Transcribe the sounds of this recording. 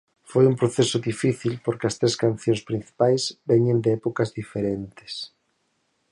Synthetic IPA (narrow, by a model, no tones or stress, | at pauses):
fojumpɾoθesʊðifiθilpoɾkɪɐst̪ɾeskan̟θjõŋspɾĩn̟θi̥pajzbɛɲẽnd̪eɛpokɐzðifeɾent̪ɪ̥s